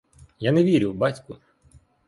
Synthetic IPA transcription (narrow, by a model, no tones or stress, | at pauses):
janeʋʲiɾʲʊwbɑtʲkʊ